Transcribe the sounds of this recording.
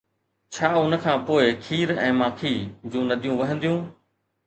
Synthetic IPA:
t͡ɕʰaːʊnə̆kʰãːpoːɪkʰiːɾɛ̰̃ːmãːkʰiːd͡ʑũːnɐd̪ʱijũːʋɐɦə̃nd̪ijũː

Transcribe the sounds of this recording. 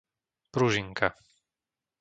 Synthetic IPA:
pɾuʒiŋka

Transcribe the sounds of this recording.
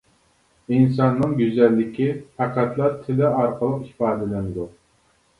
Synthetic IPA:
ins̬ɑnːɨŋɡʲyzɛlːɪkʲifæqæt̪lˠɑɾt̪ʰɪlɪɑɾqəlˠəqhi̥fɑːd̪ɪlɪnɪd̪u

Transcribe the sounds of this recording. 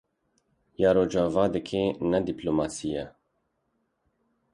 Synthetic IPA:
jɑːɾoːd͡ʒɑːvɑːd̪ɨkʰenɛd̪iploːmɑːsijɛ

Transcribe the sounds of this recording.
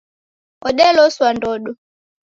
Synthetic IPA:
ɔɗɛlɔswandɔɗɔ

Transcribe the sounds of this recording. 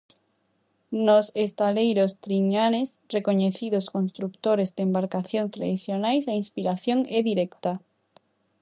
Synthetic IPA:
nosest̪alejɾost̪ɾiɲanes | rekoɲeθiðosko̞nst̪ɾukt̪oɾezðeːmbaɾkaθjont̪ɾa̰ðiθjonajsainspiɾaθjoŋeðiɾekt̪a

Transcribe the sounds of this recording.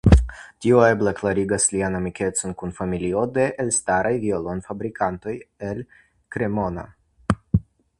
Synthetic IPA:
tioeblaklaɾiɡaslianamike̞t͡so̞nkunfamilio̞de̞ʔelstaɾajviolonfabɾikʰanto̞jel | kɾe̞mo̞na̰

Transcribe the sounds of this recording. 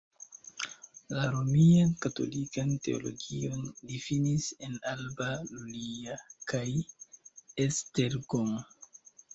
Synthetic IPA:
laɾomiankato̞̰likante̞o̰lo̞ɡio̞ndifinisenalbaluliakaj | esteɾɡom

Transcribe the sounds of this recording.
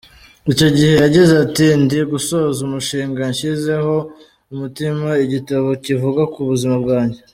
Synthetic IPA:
ico̞ɟihe̞jaɟizatindiɡuso̞zumuʃiːŋɡaɲʃize̞ho̞ | umutimaiɟitaβo̞civuɡakuβuzimabɡaːɲɟe̞

